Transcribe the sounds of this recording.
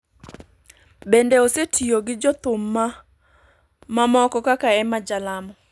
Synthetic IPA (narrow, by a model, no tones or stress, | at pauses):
bendeosetʰioɡɪd͡ʒɔt̪ʊmːa | mamɔkɔkakaɛmad͡ʒalamɔ